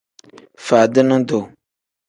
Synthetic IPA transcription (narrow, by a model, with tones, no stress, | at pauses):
fa˨dɪ˦nʊ̃˦do˨